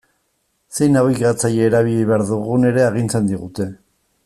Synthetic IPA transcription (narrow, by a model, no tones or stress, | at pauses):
se̞jnawikat͡sajeːɾaβiʎejβeaɾðuɣune̞ɾe̞aɣ̞int͡se̞nd̪iɣ̞ut̪e̞